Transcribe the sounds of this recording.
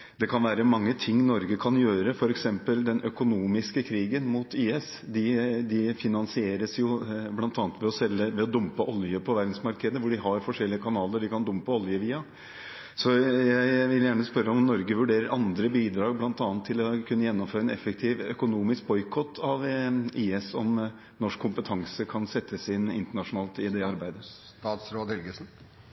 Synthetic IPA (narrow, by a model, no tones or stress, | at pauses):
d̪ɛkʰɑnʋæːɾəmɑŋːət̪ʰɪŋːnɔɾɡəkʰɑnjøːɾəfɔɾɛksɛmpəld̪ɛnʔœkʊnuːmɪskəkʰɾiːɡənmuːt̪ʰiːɛs | d̪ɪd̪ɪfɪnɑnsɪeːɾəsjʊblɑnt̪ɑːnət̪ʋɛɔsɛlːəʋɛɔd̪ʊmpəʔɔljəpʰɔʋæɾd̪n̩smɑɾkəd̪əʋʊɖɪɦɑɾfɔʂɛlːɪəkʰɑnɑːləɖɪkʰɑnd̪ʊmpəɔljəʋiːɑ | sɔjæɪʋɪljæːɳəspœɾːəɔmnɔɾɡəʋʉɖeːɾəɾʔɑnd̪ɾəbiːd̪ɾɑːɡblɑnt̪ɑːnt̪ʰːɪlɔkʰʉnːəjɛnːɔmføːɾəɛnɛfːək̚t̪ʰiːʋœkʊnuːmɪsk̚bɔʏkʰɔt̪ʰːɑʋiːɛsɔm | nɔʂkʰːʊmpət̪ʰɑŋsəkʰɑnsɛt̪ːəsɪnːɪnt̪əɳɑʂʊnɑːlt̪ɪd̪ɛɑɾbæɪd̪əst̪ɑːt̪sɾoːd̪hɛlɡəsn̩